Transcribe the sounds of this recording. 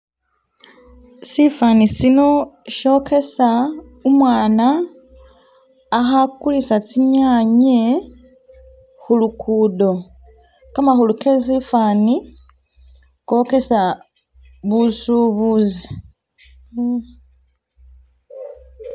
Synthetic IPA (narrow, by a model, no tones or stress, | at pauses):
sifanisino̞ʃo̞ke̞sa | umwaːna | xakulisat͡siɲaːɲe | xulukʰuːdo̞ | kamaxulukesifani | ko̞ke̞sa | βusuβuzi